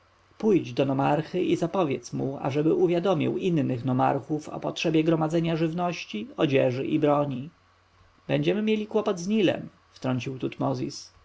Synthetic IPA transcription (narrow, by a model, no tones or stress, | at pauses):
pujd͡ʑd̪ɔnɔmaɾxɘʔizapɔvʲjɛt̪smua̰ʐɛbɘuvʲjad̪ɔmʲḭwinːɘxnɔma̰ɾxufɔ̰pɔtʂɛbʲjɛɡɾɔmad̪zɛɲaʐɘvnɔɕt͡ɕiɔd͡ʑɛʐɘ̰ʔibɾɔɲi | bɛɲd͡ʑɛmɘmʲjelʲikwɔpɔd̪zɲilɛ̰m | ft̪ɾɔɲt͡ɕiwt̪ut̪mɔzʲḭs